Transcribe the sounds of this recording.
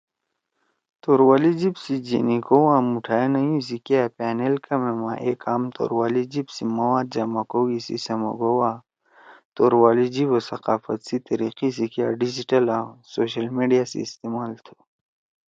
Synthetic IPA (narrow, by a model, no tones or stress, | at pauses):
t̪oːɾwaːlid͡ʑibsid͡ʑḛnikowãmuʈʰaːenɐjũs̬ikijaːpaːnelkɐmemã̰ʔekʰaːmt̪o̰ːɾwaːlid͡ʑibsimɐwaːd̪̚d͡ʑɐmɐkoɡisḭsɐmɐ̰ɡowa | t̪oːɾwaːlid͡ʑiwosɐqaːfɐt̪sit̪ɐɾiqis̬ikja̰ːɖid͡ʑiʈɐlasoːɕɐlmeːɖijaːsḛːst̪emaːlt̪ʰo̥